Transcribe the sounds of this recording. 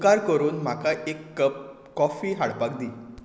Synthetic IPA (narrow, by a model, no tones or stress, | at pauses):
kaɾkəɾuːnm̤akaʔekːəpː | ɔfiːɦaɽpak̚d̪iː